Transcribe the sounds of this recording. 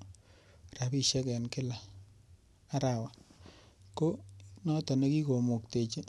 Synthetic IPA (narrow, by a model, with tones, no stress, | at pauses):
ra˨pi˦ʃɛ˦kɛ˨nkɪ˦la˨ | a˦ɾa˨wa˨ | ko˦nɔ˦ta˨ne˦ki˦ko˨mo˨kte˨t͡ʃe˦